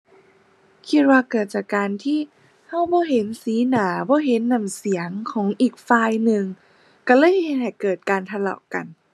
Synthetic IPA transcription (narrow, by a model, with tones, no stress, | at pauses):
kʰi˧˥t̪̚waː˧kɤː˨˩t̪̚t͡ɕaː˨˩kkaː˧nt̪ʰiː˥˩ | ha˧˥˩wbɔː˧˦ɦe˨˦nsiː˨˦naː˩˦bɔː˧˦ɦe˨˦nːa˧˩msi˩˦əŋkʰɔː˩˦ŋʔiː˨˩k̚faː˧jnɯ˧ŋ | ka˧˩lɤː˧˥˨jhe˧˦n̚ha˨˩jkɤː˨˩t̪̚kaː˧nt̪ʰa˧la̰˨˩wka̰˧n